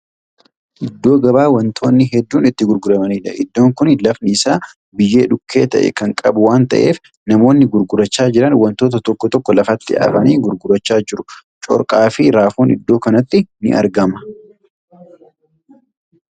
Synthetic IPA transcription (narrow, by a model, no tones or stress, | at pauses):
ʔɪd̪ːo̞ːɡɐbaːwɐnt̪ʰo̞ːnːɪɦɛd̪ːuːnɪt̪ːɪɡʊɾɡʊɾɐmɐniːᶑɐʔɪ̰d̪ːo̞ːŋkʊnlɐfnɪːsaː | bɪjːe̞ːᶑʊkːe̞ːt̪ɐʔɛ̰kɐŋkʼɐbʊwaːnt̪ɐ̰ʔe̞̰ːf | nɐmo̞ːnːɪɡʊɾɡʊɾɐt͡ʃːaːd͡ʒɪɾɐnwɐnt̪o̞ːt̪ɐt̪ɔkːɔt̪ɔkːɔlɐfɐt̪ːɪa̰ːfɐniːɡʊɾɡʊɾɐt͡ʃːaːd͡ʒɪɾʊt͡ʃʼɔ̰ɾkʼaːfɪɾaːfoːnɪd̪ːo̞ːkɐnɐt̪ːɪnɪ̰ʔɐ̰ɾɡɐmɐ̥